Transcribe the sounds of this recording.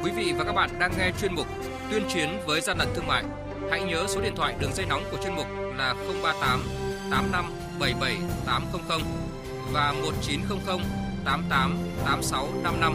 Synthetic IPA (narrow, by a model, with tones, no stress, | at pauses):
kwi˨˦vḭ˧˨vaː˨˩ka˦˥ɓa̰ː˧˨nɗaː˧ŋːɛ˧t͡ɕwi˧ənmʊ˨˩k͡p̚ | t̪wi˧ənt͡ɕwi˨˦ənvəː˨˦jzaː˧la̰˧˨ŋt̪ɨ˧əŋma̰ː˧˨j | ha̰˧˥jɲəː˨˦so˨˦i˧˨ənt̪ʰwa̰ː˧˨jɗɨ˨˩ək̚za˧jna˨˦wŋ͡mku˧˩ət͡ɕwi˧ənmʊ˨˩k͡p̚laː˨˩xə˧wŋ͡mɓaː˧t̪aː˨˦mt̪aː˨˦mna˧m | ɓə˧˩jɓə˧˩jt̪aː˨˦mxə˧wŋ͡mxə˧wŋ͡m | vaː˨˩mo˨˩t̚t͡ɕi˨˦nxə˧wŋ͡mxə˧wŋ͡m | t̪aː˨˦mt̪aː˨˦mt̪aː˨˦msa˨˦wna˧mna˧m